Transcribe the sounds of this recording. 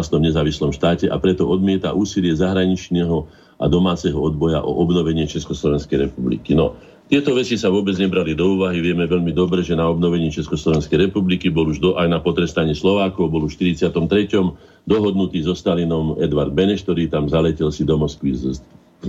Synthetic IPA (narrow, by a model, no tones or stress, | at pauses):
st̪ɔmɲɛzaːʋislɔmʃt̪aːcɛʔa̰pɾɛt̪ɔɔd̪mɪɛt̪a̰ʔuːsilɪɛzaɦɾaɲit͡ʃnɛɦɔ | a̰d̪ɔmaːt͡sɛɦɔɔd̪̚bɔjaʔɔ̰ʔɔbnɔʋɛɲɪɛt͡ʃɛskɔslɔʋɛnskɛjɾɛpublḭkinɔ | t̪ɪɛt̪ɔʋɛt͡sisaʋʊɔbɛd͡zɲɛbɾalid̪ɔuːʋaɦiʋɪɛmɛʋɛʎmid̪ɔbɾɛʒɛnaɔbnɔʋɛɲɪɛt͡ʃɛskɔslɔʋɛnskɛjɾɛpublikibɔluʒd̪ɔajnapɔt̪ɾɛst̪aɲɪɛslɔʋaːkɔʊbɔluʃt̪iɾit͡sɪat̪ɔmt̪ɾɛcɔm | d̪ɔɦɔd̪nut̪iːzɔst̪alinɔmɛ̰d̪ʋaɾd̪̚bɛnɛʃt̪ɔɾiːt̪amzalɛcɛlsid̪ɔmɔskʋiz